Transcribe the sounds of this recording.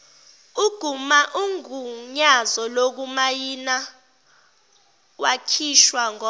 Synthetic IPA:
uɡ̥ʱumaʔuŋuɲazɔlok̬umajina | wakʰiʃwaŋɔ

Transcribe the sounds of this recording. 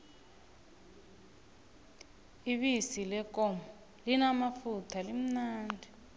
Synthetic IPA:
iβisilɛkɔmɔ | linamafutʰalim̩naːndʱɛ

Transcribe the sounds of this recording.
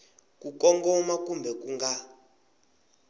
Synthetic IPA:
kukɔŋɡɔmak̬umbʱɛkuŋɡa

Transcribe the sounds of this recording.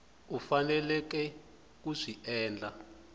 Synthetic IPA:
ufanɛlɛk̬ɛ | kuʂiɛːnd͡ɮa

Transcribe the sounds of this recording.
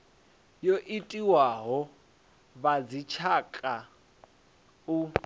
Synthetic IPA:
joʔitʼiwaɦɔ | βad͡zit͡ʃʰakʼa | u

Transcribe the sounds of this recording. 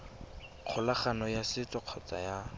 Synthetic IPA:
q͡χʰʊlaχanɔjasɪt͡sɔq͡χʰɔt͡sa̰ja

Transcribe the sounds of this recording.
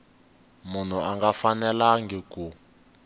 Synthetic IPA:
mun̤uaŋɡafanɛlaŋɡɛku

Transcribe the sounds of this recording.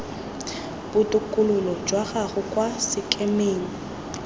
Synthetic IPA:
b̥ʊtʼʊkʼʊlʊlɔd͡ʒwaɣaɣʊkʼwasɪkʼemeːŋi

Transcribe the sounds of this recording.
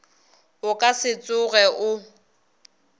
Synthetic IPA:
ʊkʼasɪt͡sʼʊɣɛʔʊ

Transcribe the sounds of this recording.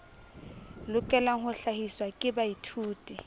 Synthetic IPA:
lʊkʼɛlaŋ̩hʊɬahiswakʼɪbaitʰuːtʼi

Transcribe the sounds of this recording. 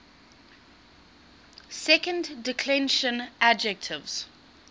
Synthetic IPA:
sɛkə̃ndːɪkʰlɛ̃nʃə̃nad͡ʒɛk̚tʰɪvz̥

